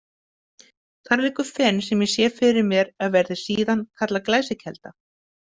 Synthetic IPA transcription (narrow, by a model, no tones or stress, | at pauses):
θaɾɾɪkʏfɛnːsɛmjɛsjɛːfɪɾɪɾmjɛɾaðvɛɾðɪ̥siːðankʰat̪laklaːjsɪcʰɛlt̪a